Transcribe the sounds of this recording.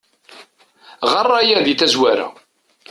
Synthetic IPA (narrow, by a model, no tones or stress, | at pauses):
ʁɑrˤːajæðiθæzwæɾa̰